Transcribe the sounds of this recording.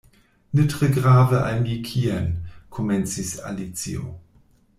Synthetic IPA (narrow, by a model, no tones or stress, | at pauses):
nɪtʁəɡʁaːvəʔa̰lnjikʰiːɛnkʰomɛnt͡sisa̰lit͡sḭo̰